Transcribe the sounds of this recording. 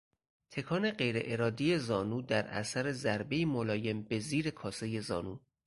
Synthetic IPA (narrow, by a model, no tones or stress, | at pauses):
t̪ʰe̞kʰɒːneɢe̞jɾe̞̰ʔeɾɒːd̪ije̞zɒːnuːd̪æɾæ̰sæɾezæɾbejimolɒːje̞mbe̞ziːɾe̞kʰɒːseje̞zɒ̰ːnuː